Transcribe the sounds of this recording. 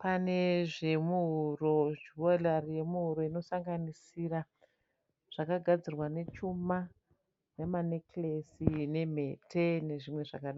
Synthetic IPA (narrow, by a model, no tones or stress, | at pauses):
pane̞ʐe̞muɦuro̞d͡ʒuolarije̞muɦuɾo̞ino̞saŋɡanisira | ʐ̥akaɡʱad͡zirwane̞t͡ʃuma | nemaneklesine̞m̤e̞tʰene̞ʐimwe̞ʐa̰kaɗa